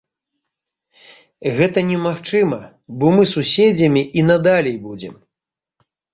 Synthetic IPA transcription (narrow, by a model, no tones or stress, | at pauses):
ɣɛt̪ɐnʲɛmaxt͡ʂɨmɐ | bɔmɨsusʲed͡zʲɐmʲiʔinad̪alʲɛjbud͡zʲɛ̰m